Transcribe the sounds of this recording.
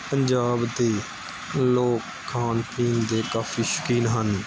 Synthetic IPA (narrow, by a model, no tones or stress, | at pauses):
pəɲd͡ʒaːbd̪eː | loːkʰːaːnpiːnd̪eːkaːfʰiːʃə̥kiːnɦən